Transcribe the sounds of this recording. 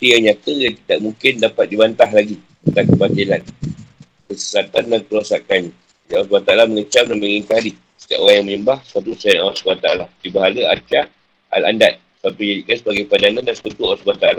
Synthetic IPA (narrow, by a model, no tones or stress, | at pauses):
t̪ijaŋɲãt̪əjaŋt̪idaʔ̚mũŋkɪndapat̪̚dibant̪aɦlaɡit̪ənt̪ankəbat̪ilan | kəsə̥sat̪andankəɾosakanɲã | jaʔawas̬bat̪aalaməŋət͡ʃamnamiɾiŋkali | sə̥k̪ia̰ʔoɾaŋjaŋməɲəmbahsə̥pat̪usajanawasbat̪aalahdibaɦaləa̰t͡ʃa | a̰la̰ndat̪̚səpat̪uɲadikansəbaɡajpadanãndansə̥pat̪uawaʔsbat̪ala